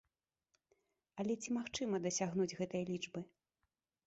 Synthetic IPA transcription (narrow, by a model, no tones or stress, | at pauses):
ɐlʲɛt͡sʲimaxt͡ʂɨmɐd̪ɐsʲaɣnud͡zʲɣɛt̪ɐjɐlʲit͡ʂbɨ